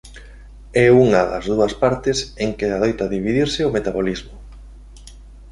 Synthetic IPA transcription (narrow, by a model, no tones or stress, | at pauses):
ɛuŋɐðɐ̰zðuɐspaɾt̪ɪseŋkɪaðojt̪ɐðiβiðiɾsɪomet̪aβolizmʊ